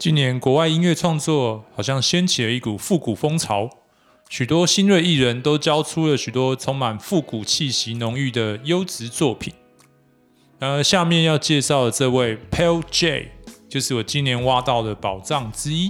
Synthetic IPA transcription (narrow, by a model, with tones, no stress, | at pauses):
t͡ɕi˥nnjɛ˧˦nkwɔ˧˦wa˥˩ɪi˥nɥɛ˥˧ʈ͡ʂʰwɑ˥˧ŋt͡swɔ˥˨xɑ˨˩ʊɕ̬jɑ˥˩ŋɕjɛ˥nt͡ɕʰi˨˩lə˦i˥˩ku˨˩fu˥˩ku˨˩fo˥ŋt͡sʰɑ˧˦ʊ | ɕy˨˩t̪wɔ˥ɕi˥nwe˥˧ɪi˥˩ɻə˧˦nt̪o˥ʊt͡ɕjɑ˥ʊʈ͡ʂʰu˥lə˨ɕy˨˩t̪wɔ˦t͡sʰo˧˥ŋma˨˩nfu˥˩ku˨˩t͡ɕʰi˥˩ɕi˨˥nʊ˧˦ŋy˥˩d̪ə˩jo˥ʊt͡sɻ̩˧˦t͡swɔ˥˩pʰi˨˩˦n | na˧˥ŋə˧ɕja˥˧mjɛ˥˧njɑ˥˧ʊt͡ɕjɛ˥˧ʂɑ˥˩ʊlə˩t͡sɤ˥˧we˥˩ɪpʰɛ˥˦˥lt͡ɕe˥˨ɪt͡ɕjo˥˧ʊʂɻ̩˥˩wɔ˨˩t͡ɕi˦njɛ˧˦nwa˥t̪ɑ˥˩ʊd̪ə˩pɑ˨˩ʊʈ͡ʂɑ˥˨ŋʈ͡ʂɻ̩˥i˦